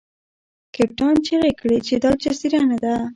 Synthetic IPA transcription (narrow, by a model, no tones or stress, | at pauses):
kɪp̚ʈɑnt͡ʃeɾekɽet͡ʃed̪ɑt͡ʃasiɾanad̪a